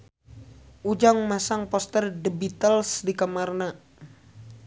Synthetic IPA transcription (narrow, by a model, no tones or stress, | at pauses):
ʔud͡ʒaŋmasaŋpɔst̪ərdəbit̪əlsdikamarna